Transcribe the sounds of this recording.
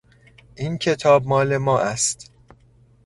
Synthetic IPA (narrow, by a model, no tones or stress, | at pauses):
ʔiːncʰe̞t̪ʰɒːb̚mɒːle̞mɒːʔæst̪